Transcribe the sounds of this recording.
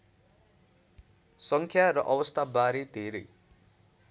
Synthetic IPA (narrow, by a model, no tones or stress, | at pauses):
sʌŋkʰjaɾʌʔʌbʌst̪ʰabaɾed̪ʱeɾʌj